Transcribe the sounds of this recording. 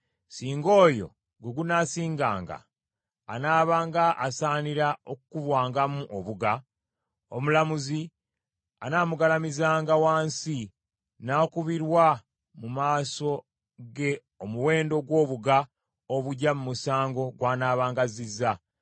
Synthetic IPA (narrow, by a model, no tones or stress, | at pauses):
siːŋɡo̞ːjo̞̰ | ɡeɡunasiːŋɡa̰ːŋɡa̰ː | naːβaːŋɡaʔːsaːniɾaokukuβwaːŋɡamuʔoβuɡa | omulamuzi | anaːmuɡalamizaːŋɡawaːnsi | naːkuβiɾwa | mumaːso̞ | ɡe̞ | omuwe̞ːndo̞ɡwo̞ːβuɡa | oβuɟamumusaːŋɡo̞ɡwaːnaːβaːŋɡazizːa